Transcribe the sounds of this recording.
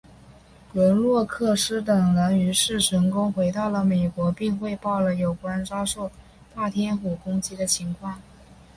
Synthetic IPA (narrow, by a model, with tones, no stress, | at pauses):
kə˧˥lwɔ˥˧kʰɤ˥˩ʂɻ̩˥t̪ɤ˨˩ŋla˧˥ny˧˥ʂɻ̩˥˩ʈ͡ʂʰɤ˧˥ŋkʊ˥ŋxwe˧˥ɪt̪ɑ˥˩ʊlə˩me˨˩ɪkwɔ˧˥pi˥˧ŋxwe˥˧ɪpɑ˥˩ʊlə˩jo˨˩ʊkwɔ˧˥ɻə˧˥nʈ͡ʂɑ˥ʊʂo˥˧ʊ | t̪a˥˩t̪ʰjɛ˥nxu˨˩kʊ˥ŋt͡ɕi˧˥d̪ə˨t͡ɕʰi˧˥ŋkʰwɑ˥˩ŋ